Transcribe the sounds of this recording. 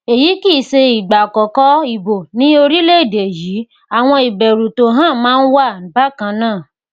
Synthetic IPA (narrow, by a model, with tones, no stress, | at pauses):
e˨ji˨˦ki˦˨se˧i˨ɡ͡ba˨kɔ˨kɔ˦i˨bo˨nĩ˦o˧ɾi˦le˦i˦˨de˨ji˨˦ | a˨w̃ɔ̃˧i˨bɛ˨ɾu˨to˨˦ɦã˦˨mãː˦n̩˦wa˦˨m̩˨ba˦kã˧nãː˦˨